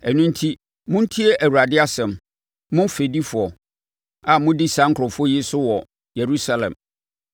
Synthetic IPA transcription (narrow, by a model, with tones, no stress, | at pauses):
ɛ˨nʊ̃˦n̩˦tʰi˦ | mʊ̃˦n̩˦tʰi˦ɛ˦ʔæ˨wu˨ɾa˨dɪ˦a˦sɛ̃˨m | mʊ̃˦fe˨di˦fʊ˨ɔ˨ | a˨mʊ̃˦di˦sã˦ŋ̩˦kʰɾɔ˨fʊ˦ɔ˦jɪ˦sʊ˦wɔ˨ | je˨ɾu˦sa˨lɛ̰̃˨m